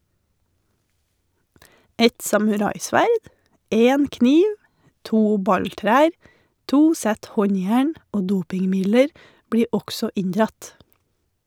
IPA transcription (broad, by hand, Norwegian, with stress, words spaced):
ˈɛt sɑmʉˈɾɑɪˌsʋæɾd ˈeːn ˈkniːʋ ˈtuː ˈbɑɲˌtɾæːɾ ˈtuː ˈsæt ˈhɔɲˌjæːɳ ˈoː ˈduːpɪŋˌmɪdləɾ ˈbɽiːɾ ˈɔksɔ ˈɪɲdɾɑt